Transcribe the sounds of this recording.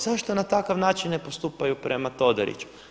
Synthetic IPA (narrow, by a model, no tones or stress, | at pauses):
zaʃt̪onat̪akaʋnaːt͡ʃinːe̞post̪uːpajupɾʔe̞mat̪o̞d̪a̰ɾḭt͡ʃu̥